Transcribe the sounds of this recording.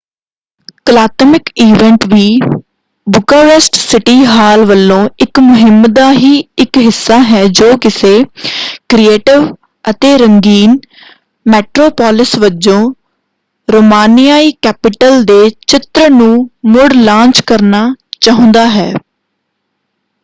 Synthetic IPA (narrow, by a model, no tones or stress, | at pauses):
kəlaːt̪mɪkiːʋɛɳʈʋiː | bʊkaːɾɛsʈsɪʈiːɦaːlʋəlːõːɪkmʊɦɪmd̪aːɦiːɪkɦɪsːaːɦɛːd͡ʒoːkɪseːkɾieːʈɪʋ | ət̪eːɾəŋɡiːn | mɛːʈɾoːpaːlɪsʋəd͡ʒõː | ɾoːmaːnijaːiːkɛːpɪʈəld̪eːt͡ʃɪt̪ɾənũːmʊɽlãːnt͡ʃkəɾnaːt͡ʃaːɦʊ̃nd̪aːɦɛ̰ː